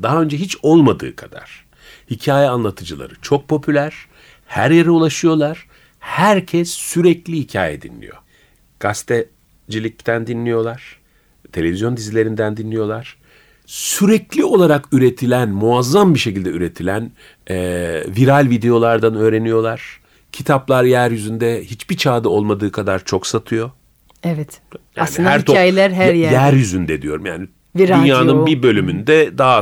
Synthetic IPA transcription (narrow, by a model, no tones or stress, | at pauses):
d̪aɦaø̞nd͡ʒɛɦit͡ʃo̞lˠmad̪ɯ̰ːkʰad̪̥a̰ɾ̥ | hicʰaːjɛanlˠat̪ʰɯd͡ʒɯlˠa̰ɾɯt͡ʃʰo̞k̚pʰo̞pʰylʲæɾ̥ | hæɾjeɾiulˠaʃɯjo̞lˠaɾ̥ | hæɾcʰɛsːyɾɛclʲihicʰa̰ːjɛ̰d̪ḭnlʲḭjo̞̰ | ɡ̥ast̪ʰɛ | d͡ʒilʲic̚t̪ʰænd̪inlʲijo̞lˠaɾ̥ | t̪ʰelʲe̞vizjo̞nd̪izilʲe̞ɾind̪ænd̪inlʲijo̞lˠaɾ̥ | syɾɛclʲio̞lˠaɾakyɾe̞t̪ʰilʲænmuazːambiʃe̞cilʲd̪ɛyɾe̞t̪ʰilʲæn | ɛviɾalʲvid̪e̞jo̞lˠaɾd̪anø̞ːɾe̞nijo̞lˠaɾ̥ | cʰit̪ʰaplˠaɾjæɾjyzynd̪ɛhit͡ʃbit͡ʃʰaːd̪ɯo̞lˠmad̪ɯːkʰad̪aɾt͡ʃʰo̞ksat̪ʰɯjo̞ | ɛvɛt̪jasnliɯhnæɾoaːjelʲæɾɦæɾjjæɾjyzynd̪ɛd̪ijo̞ɾumja̰ːni | viɾynjaːnɯnbibø̞lʲymynd̪ɛd̪aɦa